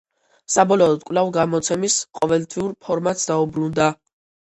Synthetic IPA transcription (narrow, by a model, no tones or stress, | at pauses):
sabɔlɔːd̪kʼvlavɡamɔt̪sʰɛmisqʼɔvɛlt̪ʰviuɾpʰɔɾmat̪sd̪aubɾund̪a